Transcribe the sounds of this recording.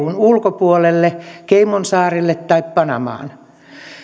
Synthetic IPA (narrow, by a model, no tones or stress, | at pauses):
unulkopuolelːekeimonsɑːrilːet̪t̪ɑippɑnɑ̰mɑ̰ːn